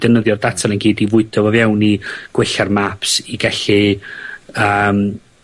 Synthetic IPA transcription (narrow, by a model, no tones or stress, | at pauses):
d̥ənəðjɔrdatʰanənɡiːdivʊɨdʰɔvɔvjawniɡ̥wɪɬarmapsiɡɛɬi | əːm